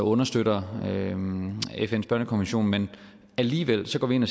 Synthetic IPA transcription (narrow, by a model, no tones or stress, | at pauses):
ɔ̽nɐsd̥øɾ̥ɐø | efen̰sb̥ɶɐnəkʰɒnʋenɕo̝̰ːnmen | æliːʋel̰sɒɡ̥ɒ̰ːʋie̝næ